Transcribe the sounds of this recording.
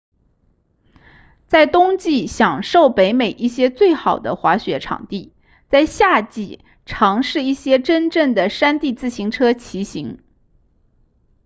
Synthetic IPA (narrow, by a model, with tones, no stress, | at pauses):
t͡sa˥˩ɪt̪ʊ˥ŋt͡ɕi˥˩ɕjɑ˨˩ŋʂo˥˩ʊpe˧˥ɪme˨˩ɪʔi˥˩ɕjɛ˥t͡swe˥˩ɪxɑ˨˩ʊd̪ə̰˦xwa˧˥ɕɥɛ˧˥ʈ͡ʂʰɑ̰˨˩ŋt̪i˥˩ | t͡sa˥˧ɪɕja˥˧t͡ɕi˥˩ | ʈ͡ʂʰɑ˧˥ŋʂɻ̩˥˧i˥˩ɕjɛ˥ʈ͡ʂə˥nʈ͡ʂə˥˩ŋd̪ə˩ʂa˥nt̪i˥˧t͡sɹ̩˥˩ɕi˧˥ŋʈ͡ʂʰɤ˥t͡ɕʰi˧˥ɕi˧˥ŋ